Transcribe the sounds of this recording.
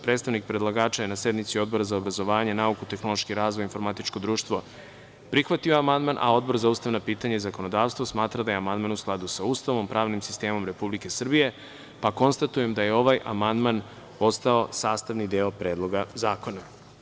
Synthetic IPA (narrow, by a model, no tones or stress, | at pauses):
pɾet̪st̪aʋnik̚pɾed̪lˠaɡaːt͡ʃajenase̞d̪nit̪sio̞d̪̚bo̞ɾazaobɾazo̞ʋaːɲe̞naukut̪e̞xno̞lˠo̞ʃkiɾaːzʋojinfo̞ɾmat̪it͡ʃkod̪ɾuːʃt̪ʋo̞ | pɾixʋat̪io̞amand̪manʔa̰o̞d̪̚bo̞ɾzauːst̪aʋnapiːt̪aɲaizako̞no̞d̪aːʋst̪ʋosmaːt̪ɾad̪ajeamand̪manusklˠad̪usaust̪aʋo̞mpɾaːʋnimsi̥st̪e̞ːmo̞mɾe̞publike̞sr̩bije̞ | pako̞nst̪at̪uje̞md̪aje̞o̞ʋajʔa̰mand̪man | o̞st̪ao̞saːst̪aʋnid̪eopɾe̞ːd̪lˠo̞ɡazaːko̞na